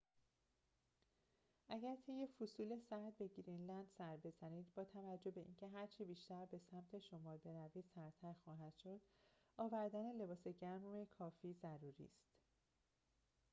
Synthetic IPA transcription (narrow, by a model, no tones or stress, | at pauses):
ʔæɟæɾt̪ʰe̞jːefusuːle̞sæhd̪̚be̞ɡɾinlænd̪sæɾbe̞zæniːd̪bɒːt̪ʰævæd͡ʒːo̞be̞ʔiːncʰe̞ɦæɾt͡ʃʰiːbiːʃt̪æɾbe̞sæmt̪ʰe̞ʃo̞mɒːɾbe̞ɾæviːd̪̥sæɾt̪ʰæɾxɒːɦæd̪̥ʃo̞d̪̥ | ɒːvæɾd̪æne̞le̞bɒːse̞ɟæɾmekʰɒːfiːzæɾuːɾḭːst̪